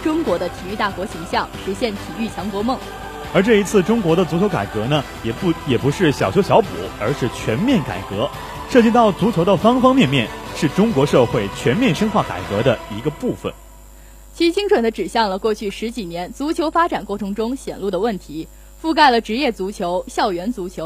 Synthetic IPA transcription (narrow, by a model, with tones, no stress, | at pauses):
ʈ͡ʂʊ˥ŋkwɔ˧˥d̪ə˧t̪ʰi˨˩y˥˧t̪a˥˩kwɔ˧˥ɕi˧˥ŋɕjɑ˥˩ŋʂu˧˥ɕjɛ˥˩nt̪ʰi˨˩y˥˩t͡ɕʰjɑ˧˥ŋkwɔ˧˥mɤ˥˩ŋ | ə˞˧˥ʈ͡ʂɤ˥˩i˧˥t͡sʰɹ̩˥˩ʈ͡ʂʊ˥ŋkwɔ˧˥ɾə˧t͡su˧˥t͡ɕʰjo˧˥ʊka̰˨˩ɪkɤ˧˥nə˧ | jɛ˨˩jɛ˨˩pu˧˥ʂɻ̩˥˩ɕjɑ˨˩ʊt͡ɕʰo˧˥ʊɕjɑ˧˥ʊpṵ˨˩˦ə˞˧˥ʂɻ̩˥˩t͡ɕʰɥɛ˧˥nmjɛ˥˩nka̰˨˩ɪkɤ˧˥ | ʂɤ˥˩t͡ɕi˥˧t̪ɑ˥˩ʊt͡su˧˥t͡ɕʰjo˧˥ʊd̪ə˧fɑ˥ŋfɑ˥ŋmjɛ˥˧nmjɛ˥˧nʂɻ̩˥˩ʈ͡ʂʊ˥ŋkwɔ˧˥ʂɤ˥˧xwe˥˩ɪt͡ɕʰɥɛ˧˥nmjɛ˥˩nʂə˥ŋxwa˥˩ka̰˨˩ɪkɤ˧˥d̪ə˧i˧˥ɡə˧pu˥˩fə̰˩n | t͡ɕʰi˧˥t͡ɕi˥ŋʈ͡ʂʰwə˨˩nd̪ə˦ʈ͡ʂɻ̩˨˩ɕjɑ˥˩ŋlə˩kwɔ˥˧t͡ɕʰy˥˩ʂɻ̩˧˥t͡ɕi˨˩njɛ˧˥nt͡su˧˥t͡ɕʰjo˧˥ʊfa˥ʈ͡ʂa˨˩nkwɔ˥˩ʈ͡ʂʰɤ˧˥ŋʈ͡ʂʊ˥ŋɕjɛ̰˨˩nlu˥˩d̪ə˩wə˥˩nt̪ʰi˧˥ | fu˥˧k̬a˥˩ɪlə˩ʈ͡ʂɻ̩˧˥jɛ˥˩t͡su˧˥t͡ɕʰjo˧˥ʊɕjɑ˥˩ʊɥɛ˧˥nt͡su˧˥t͡ɕʰjo˧˥ʊ